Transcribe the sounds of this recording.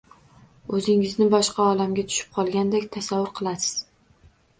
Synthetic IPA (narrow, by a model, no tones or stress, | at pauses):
ɵzɪŋɪznɪbɒʃqʰɑɒlamɡʲat̪ʰʊ̥ʃɪ̥p̚qʰɒlˠɡʲand̪ekʲt̪ʰasavːʊɾqʰɨlˠasɪ̥z̥